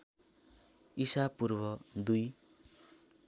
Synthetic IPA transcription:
isapurbʌd̪uj

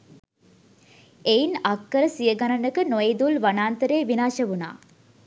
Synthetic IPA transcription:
ejnakːəɾəsijəɡɐnɐnəkənojed̪ulʋanaːnt̪əɾeːʋinaːʃɐʋuna̰ː

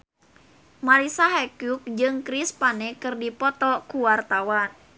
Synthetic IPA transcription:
maɾisaɦɛkjuk̚d͡ʒɨŋkɾispanɛkɨrdipɔt̪ɔkuwart̪awan

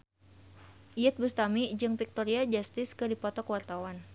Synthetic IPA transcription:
ʔiɛt̪̚bust̪amid͡ʒɨŋfik̚t̪oɾiad͡ʒast̪ɪskɨdipɔt̪ɔkəwart̪awan

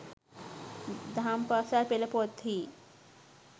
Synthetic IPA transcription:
d̪ʱampasaɾpelɐpot̪ʰi

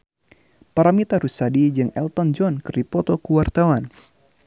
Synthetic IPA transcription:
paɾamit̪aɾusadid͡ʒɨŋɛlt̪ɔnd͡ʒɔnkɨrdipɔt̪ɔkuwart̪awan

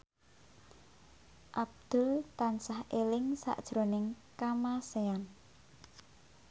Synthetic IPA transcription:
ʔab̚d̪̥ʊ̤lt̪ansahelɪŋsa̰ʔd̥ʒ̥ɾo̤nɪŋ | kamasean

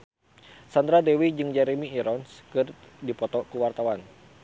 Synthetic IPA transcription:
sand̪ɾadɛwid͡ʒɨŋd͡ʒɛɾemiːɾɔnskɨrdipɔt̪ɔkuwart̪awan

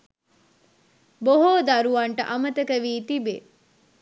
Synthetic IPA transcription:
boɦoːd̪aɾuʋɐɳʈə̰ʔɐmət̪əkəʋiːt̪ibe

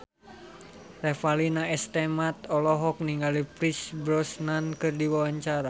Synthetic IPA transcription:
rɛfalinaɛst̪ɛmat̪ɔlɔɦɔk̚niŋɡalipɾisbɾɔsnankɨrdiwawaɲt͡ʃaɾa

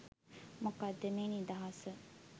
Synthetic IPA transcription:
mukɐd̪ːemeːnid̪ɐɦɐsə

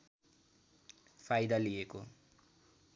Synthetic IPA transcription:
pʰajd̪alijeko

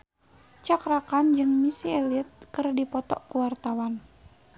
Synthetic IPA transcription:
t͡ʃakɾakand͡ʒɨŋmisiɛlit̪̚kɨrdipɔt̪ɔ̰kuwart̪awan

